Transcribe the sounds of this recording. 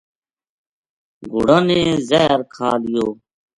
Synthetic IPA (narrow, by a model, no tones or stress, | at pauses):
ɡʱʊ̰ɽanẽːzɛːɾkʰaːlɪjoː